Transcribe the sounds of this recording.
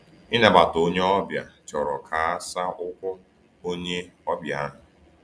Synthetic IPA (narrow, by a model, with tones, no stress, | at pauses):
i˦ne˨ba˨to˦ɲe˦ɔ˦bja̰˨t͡ʃɔ˨ɾɔ˨kʰa˨a˦sa˦ʊ˦kʷʊ˦ | o˦ɲe˦ɔ˦bja˦a˦nʊ˨